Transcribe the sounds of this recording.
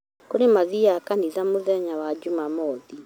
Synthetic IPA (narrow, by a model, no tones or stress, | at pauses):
koɾemaðiakaniðamoðɛɲawad͡ʒumamɔːði